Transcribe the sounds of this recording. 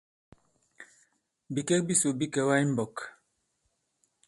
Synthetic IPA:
bi˨kɛ˦k̚bi˦so˨bi˦kɛ˨wa˦jm˦bɔ˨k

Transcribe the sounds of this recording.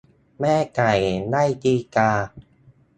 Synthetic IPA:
mɛː˥˩ka˨˩jnaː˥˩jt̪iː˧kaː˧

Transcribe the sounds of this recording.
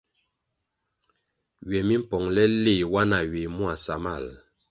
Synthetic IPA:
ɥɛ˨mi˦m̩˦pɔ˨ŋlɛ˦le˦˨wa˦na˨ɥe˨mu˦a˨sa˨ma̰˦˨l

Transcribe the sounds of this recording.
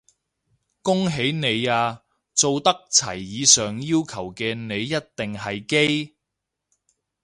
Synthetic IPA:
kʊ˥ŋɦe˨˥jne˨˧jaː˧ | t͡so˨wt̪ɐ˥k̚t͡sʰɐ̰˨˩jːiː˨˧sœː˨ŋjiː˥wkʰɐ˨˩wkɛː˧ne˨˧jːɐ˥t̚t̪ɪ˨ŋɦɐ˨jke˥j

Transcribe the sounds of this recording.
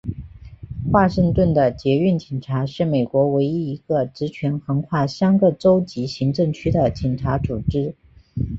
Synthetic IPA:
xwa˥˧ʂə˥˧ŋt̪wə˥˩nd̪ə˩t͡ɕjɛ˧˥y˥˩nt͡ɕɛ˨˩ʈ͡ʂʰa˧˥ʂɻ̩˥˩me˨˩ɪkwɔ˧˥we˧˥ɪi˥i˧˥ɡ̥ə˧ʈ͡ʂɻ̩˧˥t͡ɕʰɥɛ˧˥nxɤ˧˥ŋkʰwa˥˩ɕjɑ˥ŋɡə˥˧ʈ͡ʂo˥ʊt͡ɕi˧˥ɕi˧˥ŋʈ͡ʂɤ˥˩ŋt͡ɕʰy˥d̪ə˨t͡ɕi˨˩ŋʈ͡ʂʰa˧˥t͡su˨˩ʈ͡ʂɻ̩˥

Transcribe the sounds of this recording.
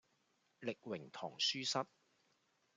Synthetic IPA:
lɪ˨k̚wɪ˨˩ŋt̪ʰɔː˨˩ŋsyː˥sɐ˥t̚

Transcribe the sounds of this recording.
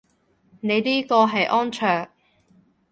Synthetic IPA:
ne˨˧jniː˥kɔː˧ɦɐ˨jʔɔː˥nt͡ʃʰœː˨˩k̚

